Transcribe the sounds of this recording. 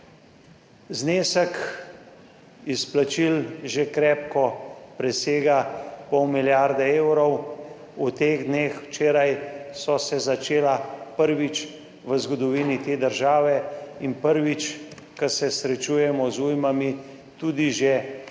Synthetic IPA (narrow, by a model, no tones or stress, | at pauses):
zneːsək | isplat͡ʃilʒekɾɛːp̚kɔpɾɛseːɡapɔwmiljaɾd̪ɛeːwɾɔw | ut̪eːɣd̪neːxwt͡ʃeːɾajsɔsɛzat͡ʃeːlapəɾʋit͡ʃ | ʋəzɡɔd̪ɔʋiːnit̪eːd̪əɾʒaːʋɛinpəɾʋit͡ʃ | kasɛsɾɛt͡ʃuːjɛmɔzujmami | t̪uːd̪iʒe